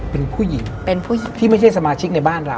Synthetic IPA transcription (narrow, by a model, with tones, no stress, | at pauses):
pe˧npʰuː˥˩ji˨˩˦ŋpe˧npʰuː˥˩ji˨˩˦iː˥˩ma˥˩jt͡ɕʰa˥˩jsa˧maː˧t͡ɕʰi˦˥k̚na˧jbaː˥˩nɾa˧w